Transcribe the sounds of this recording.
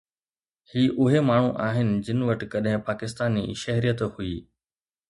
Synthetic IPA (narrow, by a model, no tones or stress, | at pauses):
hiːʔʊɦemaːɳ̤ũʔaːɦɪnɪ̆d͡ʑɪnɪ̆ʋɐʈɪkɐɗɦɪ̃paːkɪst̪aːnḭːʃɐɦɾijət̪hʊiː